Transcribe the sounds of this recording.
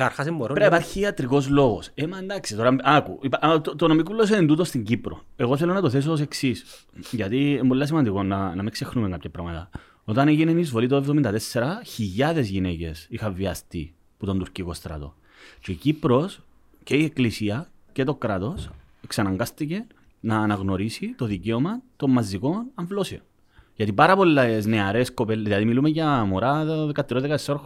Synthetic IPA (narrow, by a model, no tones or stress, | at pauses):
ɐɾxɐs̬emboɾɾeipɐɾçiːɐt̪ɾiko̞zlo̞ɣo̞semɐend̪ɐksit̪o̞ɾɐɐkuipʔt̪ot̪onomikulːos̬eðent̪ut̪ost̪iɲɟipɾo̞̰e̞ɣo̞θelo̞nɐt̪oθes̬oːs̬e̞ksis | ʝɐt̪iembolːɐs̬imɐnd̪iko̞nɐnɐmikse̞xnumekɐpçʰɐpɾɐmɐt̪ɐ̰ | o̞t̪ɐneʝinenizvo̞lit̪oevðomind̪ɐt̪esːe̞ɾɐçiʎːɐðe̞zʝinece̞sixɐːiɐst̪i | put̪ond̪uɾciko̞st̪ɾɐ̰t̪o̞̰ | cecipɾo̞s | ce̞ieklisiɐ | ce̞t̪okɾɐt̪o̞s | ksɐnɐŋɡast̪ice̞ | nɐːnɐɣno̞ɾisit̪o̞ðiceomɐt̪o̞mmːɐzːiko̞nɐɱvlo̞sio̰n | ʝɐt̪ipɐɾɐpo̞lːesneɐɾe̞sko̞pelðilɐðimilumeʝɐmoɾaðɐðekɐt̪ːiɾoðekɐt̪esːaɾx